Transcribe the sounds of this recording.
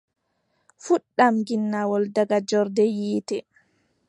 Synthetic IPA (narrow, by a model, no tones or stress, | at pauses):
fuɗːamɡinːawɔldaɡad͡ʒɔɾdɛjiːtɛ